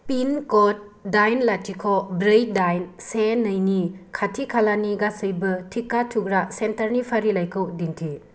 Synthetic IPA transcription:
pinkɔt̚dajnlatʰikʰɔbɾej̚dajnsenɯjnikʰatʰikʰalaniɡasɯjbɐtʰikːatʰukɾasentɐɾnipʰaɾilajkʰɯwdintʰi

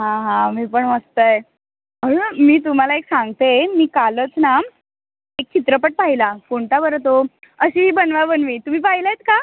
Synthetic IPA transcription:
ɦãɦãmiːpəɳməst̪əj | əɾemiːt̪̬um̤alaeksãŋɡt̪emiːkalət͡snam | ek̚t͡ɕit̪ɾəpəʈ̚paɦilakoɳʈ̪abəɾt̪oəɕiːɦiːbənʋabənmiːt̪um̤iːpaɦilajt̪ka

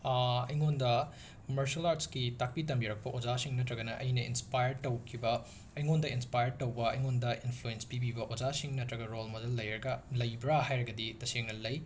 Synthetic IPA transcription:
ɐjŋondɐ | komɐɾsɐlaɾtskitak̚pitɐmbiɾɐk̚pɐʔod͡ʒasiŋnɐtɾɐɡɐnɐʔɐjnɐḭnspajɐɾtɐwkʰibɐː | jŋondɐinspajɐɾ̚tɐwbɐɐ̰jŋondɐʔinpʰluenspibibɐʔozasiŋnɐtɾɐɡɐɾolmodɐlːɐjɾɐɡɐlɐjbɾaɦajɾɐɡɐditɐseŋnɐlɐj

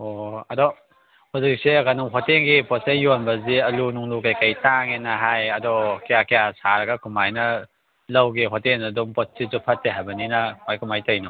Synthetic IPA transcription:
oɐdɔ | huzik̚seɡanuŋɦɔteŋɡipɔsejonbɐziɐlunuŋlukajkajtaŋenɐɦajɐdɔkejakejasaɾɐɡɐkʰumajnɐ | lɐwɡiɦɔteŋnɐdumpɔt̚sizupʰɐtːeɦajbɐninɐkʰumajkʰumajtɐjnɐ

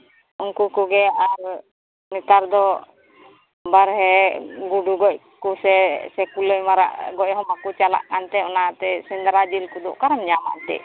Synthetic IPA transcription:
unkukuɡɛaɾ | mit̪aɾd̪ɔ | baɾɦɛɡuɖuɡɔc̚ | kusɛsɛkuləjmaɾa̰ʔɡɔʔ̚hɔmakut͡ʃala̰ʔkant̪ɛɔnat̪ɛsind̪ɾad͡ʒilkud̪ɔ̰ʔkaɾamɲama̰nt̪ɛ̰ʔ

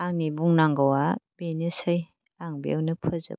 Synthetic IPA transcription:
aŋnibuŋnaŋɡawabenɯsɯj | aŋbiḛwnɯpʰɯzɯ̰

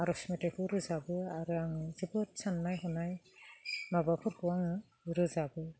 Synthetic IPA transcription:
aɾɔsmitehuɾɯzabɯaɾɯaŋɯzibɯtsanːajɦɔnaj | mabapʰɯɾkuwaŋɯ | ɾɯzabɯ

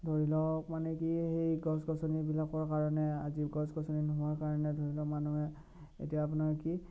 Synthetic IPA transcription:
dʱoɹilɔkmanɛkihejɡɔsɡɔsɔnibilakɔɹkaɹɔnɛa̰ziɡɔsɡɔsɔninɔɦʊaɹkaɹɔnɛdʱoɹilɔkmanuɦɛ | ḛtijaːp̬unaɹki

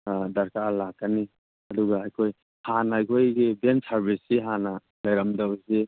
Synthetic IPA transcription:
d̪ɐɾkalakːani | ɐd̪uɡaajkʰoj | hanaajkʰojɡibensaɾbisiɦana | lɐjɾamdawze

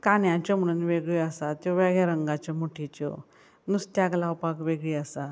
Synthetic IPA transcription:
kanjãt͡ɕɔm̤əɽ̃uːnʋeɡɭiəsat̪joʋɛɡɭjaɾəŋɡat͡ɕɔmuʈʰit͡ɕɔ̰ | nust̪jaɡlawpakʋeɡɭiasa

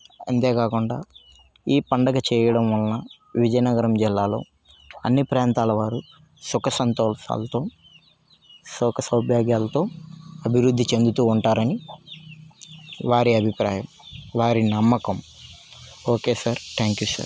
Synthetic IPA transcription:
ɐ̰nt̪e̞ːkaːkuɳɖa̰ː | iːpɐɳɖɐɡɐt͡ʃɛːjɐɽɐmʋɐnːɐ | ʋid͡ʒɐjnɐɡɐɾɐmd͡ʒilːaːlo̞̰ː | ɐnːipɾaːnt̪aːlɐʋaːɾu | sukɐsɐnt̪oːlʂa̰ːlɐt̪o̞ː | sukɐsɐwbʱjaːɡjaːlɐt̪o̞ːɐbʱiɾud̪ʱːit͡ʃe̞nd̪ut̪uːuɳʈaːɾɐni | ʋaːɾiɐbʱipɾaːjɐmʋaːɾinɐmːɐkɐm | oːkeːsaːɾt̪ʰaːŋkjuːsa̰ːɾ

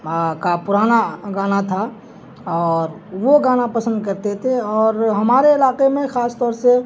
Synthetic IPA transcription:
kapʊɾaːnaɡaːnat̪ʰa | ɔːɾ | ʋoɡaːnapəsə̃nd̪̚kəɾt̪et̪ʰeɔːɾɦəmaːɾeɪlaːqemẽxaːst̪ɔːɾse

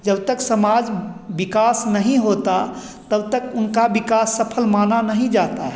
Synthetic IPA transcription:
d͡ʒəbt̪əksəmaːd͡ʒbɪkaːsnəɦĩɦot̪a | t̪əbt̪əkʊnkabɪkaːsːəpʰəlmananəɦĩd͡ʒaːt̪aɦɛ

